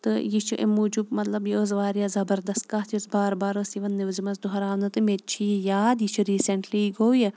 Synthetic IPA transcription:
t̪ɨjit͡ʃʰuʔḭmuːd͡ʒubmɐt̪lɐbjiozʋaːɾijazɐbɐɾd̪ɐst̪̚kaːt̪ʰjosbaːɾbaːɾoːsiʋɐnːiʋzimɐsd̪uɦɐɾaːʋnɐt̪ɨmet͡ʃʰijaːd̪jit͡ʃʰuɾiːseɳʈliɡoːwji

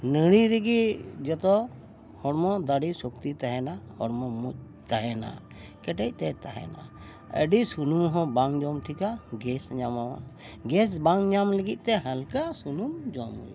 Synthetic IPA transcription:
nəɽ̃iɾiɡid͡ʒɔt̪ɔ | hɔɽmɔd̪aɖisuk̚t̪it̪aɦɛnahɔɽmɔmuc̚ | t̪aɦɛna̰ | kɛʈɛc̚t̪ɛt̪aɦɛ̰na̰ | ə̰ɖisunumɦɔ̃baŋd͡ʒɔmt̪ʰikaɡɛsɲamawa̰ | ɡɛsbaŋɲamləɡit̪̚ˀt̪ɛɦəlkasunumd͡ʒɔmɔ̰j̰

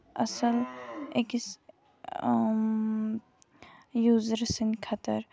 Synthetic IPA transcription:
ɐ̰səlekis | juːzɾsinkʰɐt̪əɾ

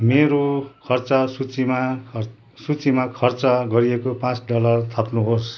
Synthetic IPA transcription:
meɾokʰʌrt͡sʌsut͡sima | sut͡simakʰʌrt͡sʌɡʌɾijekopãt͡sɖʌlʌrt̪ʰʌpnuɦos

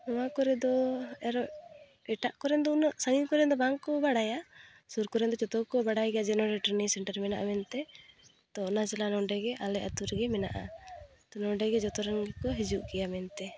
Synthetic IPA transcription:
ɔwakɔɾɛd̪ɔɛɾɔ | ɛʈaʔkɔɾɛnd̪ɔunɔʔsaŋinkɔɾɛnd̪ɔbaŋkːɔbaɽaja | suɾkɔɾɛnd̪ɔt͡ʃɔt̪ɔkɔbaɽajɡɛjad͡ʒɛnɔɾɛʈɔɾnisɛɳʈɛɾmɛnaʔamɛnt̪ɛ | t̪ɔɔnat͡ʃɛlanɔɖɛɡɛʔalɛʔat̪uɾɛɡɛmɛna̰ʔa̰ | t̪ɔnɔɖɛɡɛd͡ʒɔt̪ɔɾɔŋɡɛkɔɦɛd͡ʒuʔkɛjamɛnt̪ɛ

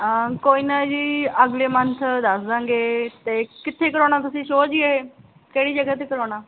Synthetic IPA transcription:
koːiːnaːd͡ʒiːəɡleːmənt̪ʰd̪əsd̪ãːŋɡeːt̪eːkɪt̪ʰːeːkəɾoːɽ̃aːt̪̬ʊsĩːʃoːd͡ʒiəɦeː | keːɽiːd͡ʒəɡaːt̪eːkəɾoːɽ̃aː

